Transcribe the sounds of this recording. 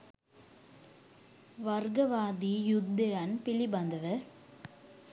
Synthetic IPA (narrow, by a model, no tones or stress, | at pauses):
ʋɐɾɡɐʋaːd̪ijʊd̪ːɯɐnpɪlibɐnd̪ɐʋɯ